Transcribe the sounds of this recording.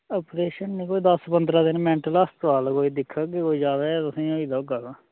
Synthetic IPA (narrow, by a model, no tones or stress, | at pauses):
əpɾeːʃənːĩːkoːiːd̪əspənd̪ɾaːd̪ɪnmɛ̃ːɳʈələst̪ʋaːlkoːiːd̪ɪkʰːaːɡekoːiːd͡ʒaːʋeːt̪ʊsĩːoiːd̪aːʊɡaːɡaː